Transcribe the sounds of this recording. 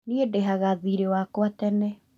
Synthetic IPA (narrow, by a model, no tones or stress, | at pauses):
niedɛɦaɣaðiɾewakwatɛnɛ